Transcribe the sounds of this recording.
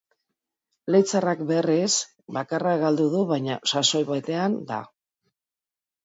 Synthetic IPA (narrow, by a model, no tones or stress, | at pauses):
lejt͡sarakberis | bakaraɣald̪uðuβajɲa̰saso̞jβat̪e̞and̪a̰